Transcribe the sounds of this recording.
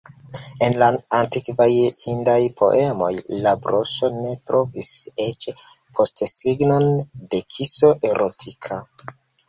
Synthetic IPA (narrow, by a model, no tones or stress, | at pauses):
e̞nlaantikvajhindajpʰo̞̰ʔe̞mo̞̰jlabɾo̞ʃo̞ne̞tɾʔo̞vise̞t͡ʃ | pʰo̞stsiɡno̞nde̞kʰiso̞ʔe̞ɾʔotʰikʰa